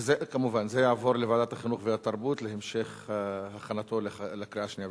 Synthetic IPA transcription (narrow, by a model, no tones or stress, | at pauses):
zekamuvanzejaʕavo̞ɾlevad̪at̪aχinuχveat̪aʁbut̪lehemʃeχhaχanat̪o̞llakɾiaʃnija